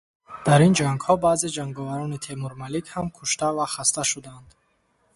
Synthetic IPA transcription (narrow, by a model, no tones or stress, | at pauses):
d̪̥aɾind͡ʒaŋɡhɔbaːzed͡ʒaŋɡɔvaɾɔnit̪ʰemuɾmalikhamkʰuʃt̪avaχast̪aʃud̪and̪̥